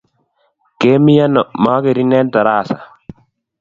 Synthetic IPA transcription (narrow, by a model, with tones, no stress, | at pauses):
keː˦mi˦ja˦nːɔ˨maː˦ke˨ɾi˦nɛ˦nta˨ɾaː˦˨sa̰˨